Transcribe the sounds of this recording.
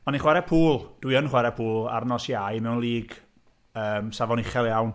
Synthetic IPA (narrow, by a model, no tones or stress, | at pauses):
ɔniχwɛɾɛpʰuːlˠd̥wiənχwɛɾɛpʰuːlˠa̰rnɔsjajmɛwnlˠiːɡ | əːmsavɔnɪχɛlˠjawn